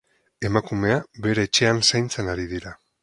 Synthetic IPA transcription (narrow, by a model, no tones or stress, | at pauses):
e̞makume̞aβe̞ɾe̞ːt͡ʃe̞ansajnt͡se̞naɾið̞iɾa